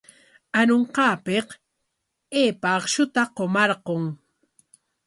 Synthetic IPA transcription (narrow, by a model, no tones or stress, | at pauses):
anoɴqɑːpeq | eːpaːqʃʊt̪aqomɑɾqoŋ